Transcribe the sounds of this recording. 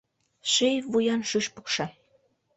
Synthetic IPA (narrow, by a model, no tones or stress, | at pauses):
ʃejvujɑnʃyʃpukʃɑ